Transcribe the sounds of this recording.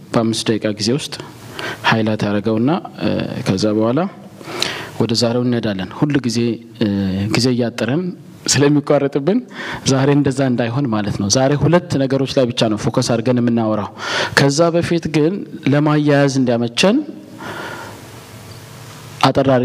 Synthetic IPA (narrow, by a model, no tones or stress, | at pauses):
b̥əamːɨsd̪əkʼaɡize̞wʊst̪ʼ | hajlat̪ʰjaɾəɡəwɨnːakʰəzːabəhʷala | wɔd̪əzaɾe̞wɨnəd̪alːənhulːɡize̞ | ɡize̞jːat̪ʼːɨɾən | sɨləmːikʼʷːarːət̪ʼɨbːɨnzaɾe̞ɨnd̪əzːaɨnd̪ajɦo̞nmalət̪nəwzaɾe̞hulət̪ːnəɡəɾo̞t͡ʃːlajbɨt͡ʃːanəwfokʰəsaɾɡənjɛmːɨnːawɾawkʰəzːabəfit̪ɡɨnləmajːajazɨnd̪jamət͡ʃːɛn | ʔat̪ʼərːaɾi